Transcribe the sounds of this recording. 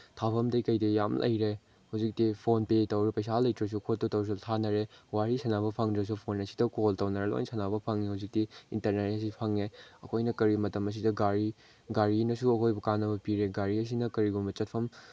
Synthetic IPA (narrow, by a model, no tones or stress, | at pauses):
tʰapʰɐmdɐjkɐjdɐjamlʔɐ̰jɾe | huzik̚tipʰonpetɐwɾepɐjsalɐjtɾɐs̬ukʰotːotɐws̬utʰanɐɾewaɾisɐnaβɐpʰaŋdɾɐs̬upʰonɐsi̥dɐkoltɐwnɐɾelo̰jnsɐnabɐpʰaŋːihazik̚tiintɐɾnetɐs̬ipʰɐŋeɐkʰojnɐkɐɾimɐtɐmɐs̬idɐɡaɾi | ɡaɾinɐsuɐkʰojbɐkanɐbɐpiɾeɡaɾiɐs̬inɐkɐɾiɡumbɐt͡ʃɐt̚pʰɐm